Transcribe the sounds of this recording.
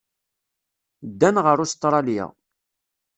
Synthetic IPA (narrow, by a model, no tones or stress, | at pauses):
d̪ːænʁəɾust̪ɾˤɑljæ̰